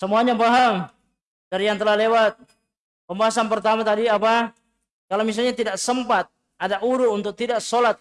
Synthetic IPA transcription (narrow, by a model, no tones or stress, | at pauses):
səmuaɲabaɦaŋ | d̥aɾijaŋt̪əlahlewat̪̚ | pəmbaɦasanpərt̪amat̪adiapa | kalomis̬alɲat̪idaʔsəmpat̪̚ | adaʔuɾuunt̪ʊk̚t̪idaʔsolat̪̚